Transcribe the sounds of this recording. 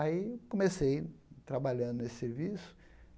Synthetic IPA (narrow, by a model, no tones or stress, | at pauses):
aikõmesejt̪ɾabaʎɐ̃nd̪ʊnesɪ̥seɾvisʊ̥